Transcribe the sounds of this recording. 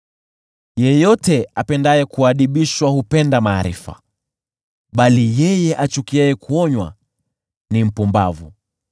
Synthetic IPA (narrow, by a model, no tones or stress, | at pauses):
jɛjɔtɛapɛndajɛkuaɗiɓiʃwahupɛndamaːɾḭfa̰ | ɓalijɛjɛʔat͡ʃukiɛjɛkuɔɲwa̰ | nim̩pumba̰vṵ